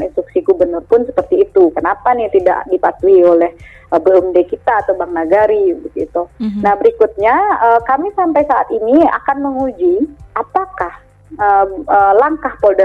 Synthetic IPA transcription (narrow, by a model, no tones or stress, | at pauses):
inst̪ɾuk̚siɡubənʊrpʊnsə̥pərt̪iːt̪ukənapanit̪ida̰ʔdipat̪uiolɛh | əbəlumdekit̪aːt̪awbaŋnaɡaɾiɡit̪uit̪unahbəɾikut̪̚ɲaəkamisampajsaat̪inia̰kanməŋud͡ʒiapakah | əəlaŋkahpoldə